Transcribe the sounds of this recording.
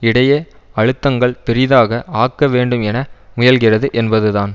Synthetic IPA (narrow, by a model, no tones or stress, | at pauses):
ɪɽɐjeː | ɐɻɯt̪ːɐŋɡɐɭpɪɾɪðaːɣɐʔaːkːɐʋeːɳɖɯmɛnɐmʊjɐlɣɪrɐðɯʔɛnbɐðɯðaːn